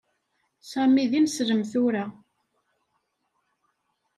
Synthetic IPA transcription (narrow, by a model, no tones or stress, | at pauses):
sæmiðinsɾəmθʊɾa